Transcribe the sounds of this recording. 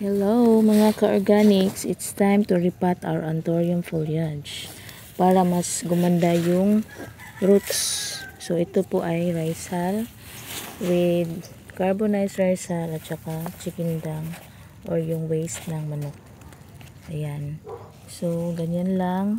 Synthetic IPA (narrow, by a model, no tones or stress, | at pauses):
hɛlowmɐŋakɐʔoɹɡanɪksɪt̪st̪ajmt̪ʊɹɪpat̪a̰wəɹʔant̪oɹiomfoliad͡ʒ | paːɾɐmasɡʊmand̪ajʊŋ | ɾut̪ssoʔɪt̪opoʔajɹajsal | wɪd̪ | kaɹbonajsɹajsalɐt̪̚t͡ʃɐkat͡ʃɪkɪnd̪aŋ | ʔoɹjʊŋwejst̪nɐŋmɐnok̚ | ʔɐjan | soɡɐɲonlaŋ